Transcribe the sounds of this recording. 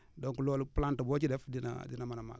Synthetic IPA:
doŋkuloluplantabot͡ʃidɛfdina̰dinamanama̰

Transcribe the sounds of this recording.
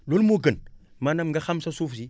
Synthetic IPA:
lolmuɡən | manamŋɡaxamsasufsi

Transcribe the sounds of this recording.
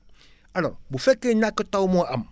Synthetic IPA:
alɔ̰ɾbufɛkenakətawmɔ̃am

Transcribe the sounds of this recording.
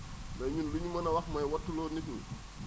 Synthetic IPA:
mɐjɲunluɲumɐnɐwɐxmɐjwɔtːulɔːnikul

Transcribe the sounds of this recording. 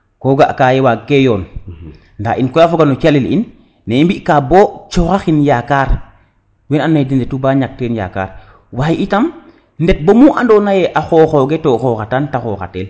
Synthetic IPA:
koːɡaʔkaːjewakːejɔːn | ndaʔinkɔjafoɡanot͡ʃalilḭnː | eimbiʔkaːboːt͡ʃoxaxinjaːkaːɾ | wenanːadindetubaːɲak̚teːnja̰ka̰ːɾ | waːjiʔitam | ndɛt̚bomuʔandoːnajeʔaxoxoːɡetoxoːxatantaxoːxa̰tel

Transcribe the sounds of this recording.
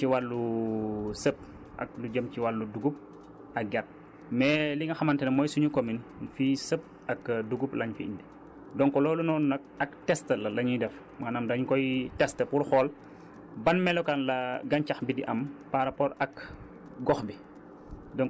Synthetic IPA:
iwalːu | səp̚ | ʔɐ̰k̚luɟəmciwalːuduɡup̚ | ɐk̚ɡɛt̚ | mɛliŋɐxɐmɐntɛnmɔːjsuɲukominfisəp̚ | ɐkduɡuplɐɲfiindi | dɔŋkɔlɔːlunɔnnɐk̚ɐktɛstəlɐlɐɲudɛf | maːnɐmdɐɲkɔjtɛstəpurxɔːl | bɐnmɛlɔkanlɐɡɐnt͡ʃɐxbidiʔɐmpaɾapɔɾɐk | ɡɔxbi | dɔŋ

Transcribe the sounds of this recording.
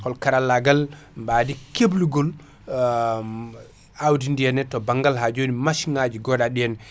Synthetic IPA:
kɔlkaɾalaɡalmbadikebluɡol | awdindijɛnɛtɔbaŋɡalɦad͡ʒonimasiŋad͡ʒiɡɔɗaɗijɛnɛ

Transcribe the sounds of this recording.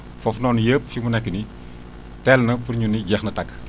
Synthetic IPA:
fɔfnɔːnjəːp̚fimunɛkːəni | tɛːlnɐpuɾɲuniɟɛxnɐtɐkː

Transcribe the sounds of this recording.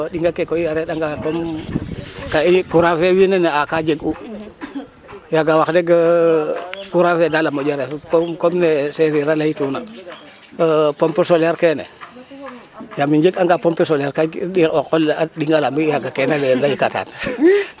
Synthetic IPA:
ɗiŋɡakekoijaɾeɗaŋɡakom | kaikuɾafewineneakad͡ʒeɡu | jaɡawaxdeɡə | kuɾafedalamod͡ʒaɾefkokomneseɾiɾalaituna | pompesolaɾkenḛ | jamiɲd͡ʒekaŋɡapompesoljaɾkaɗiokolaɗiŋɡalamijaɡakenalelaikata̰ːn

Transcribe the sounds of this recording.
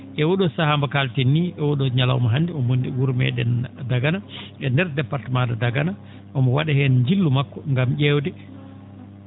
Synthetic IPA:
ʔɛwɔɗɔsahambakaltenːiʔɛwɔɗɔɲala̰wmaɦandɛɔmwuɾmɛ̰ɗɛ̰ndaɡanaɛndɛɾdɛpːaɾtamadadaɡana | ʔɔmɔwaɗahɛnɲd͡ʒilːumakːɔŋɡamʄɛwdɛ

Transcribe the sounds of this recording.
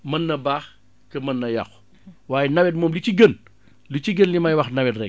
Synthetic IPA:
mɐnːɐbaːx | kɐmɐnːɐjɐ̰x | waːjɛnɐwɛt̚mɔːmlit͡ʃiɡən | lit͡ʃiɡənlimɐjwɐxnɐwɛtrɛk

